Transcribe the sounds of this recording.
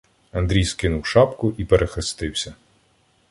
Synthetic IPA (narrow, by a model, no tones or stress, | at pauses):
ɐnd̪ɾʲijskɪnʊwʃɑpkʊʔipeɾʔexest̪ɪwsʲɐ